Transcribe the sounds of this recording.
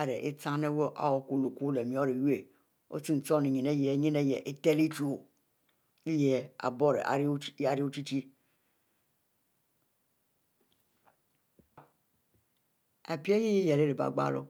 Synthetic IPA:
a˦ɾe˨ʔḛ˦t͡sã˦ne˦wo˦ʔa̰˨wɔ˨ku˦lu˨ku˦le˨mĩ˨˦ɔ˦ɾe˨ju˦e˨ | o̰˦ti˦n̩˨t͡ʃɔ˦nĩ˨ɲĩ˨ne˦jɛ˨˦ɲĩ˦ne˦jɛ˨ʔe˦t̪ɛ˦li˦t͡ʃu˦o˨ | i˦jɛ˦a̰˨bɔ˦ɾḛ˨ʔa̰˨˦a˨ɾi˦o˦t͡ʃi˦t͡ʃi˦ | a˨pi˦e˦ji˦je˦jɛ˨le˦ɾe˨ba̰˨ɡ͡ba̰˦lo̰˦

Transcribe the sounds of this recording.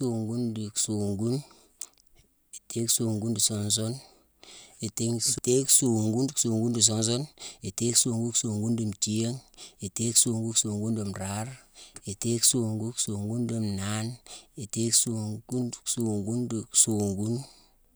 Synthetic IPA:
so˨ŋɡu˦ndi˨kso˨ŋɡu˦n | e˨te˦kso˨ŋɡu˦ndi˨so˨ns̬o˦n | e˨te˦ŋste˦kso˨ŋɡu˦n˨kso˨ŋɡu˦ndi˨s̬o˦ns̬o˦ne˨te˦kso˨ŋɡu˦kso˨ŋɡu˦ndi˨mti˦e˦ŋe˨te˦kso˨ŋɡu˦kso˨ŋɡu˦ndo˨mɾa˦ɾe˨te˦kso˨ŋɡu˦kso˨ŋɡu˦ndi˨mna˦ne˨te˦kso˨ŋɡu˦n˨so˨ŋɡu˦ndi˨kso˨ŋɡu˦n

